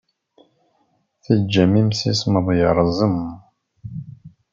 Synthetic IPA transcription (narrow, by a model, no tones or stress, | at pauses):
θəd͡ʒːæmimsisməðˤjəɾˤzˤəm